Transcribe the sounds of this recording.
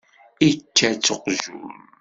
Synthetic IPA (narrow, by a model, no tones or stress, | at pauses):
it͡ʃːæt͡sːəqʒṵm